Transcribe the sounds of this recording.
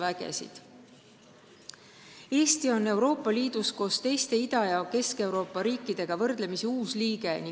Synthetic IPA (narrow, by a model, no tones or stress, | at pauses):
væɡ̥e̞̰sḭd̪̥ | e̞ːst̪io̞nːe̞wɾo̞ːpːˑɑliːd̪̥usko̞ːst̪e̞jst̪e̞id̪̥ɑjɑoke̞ske̞wɾo̞ːpːˑɑɾiːkːˑid̪̥e̞ɡ̥ɑvɤrd̪̥le̞miseuːsliːɡ̥e̞ni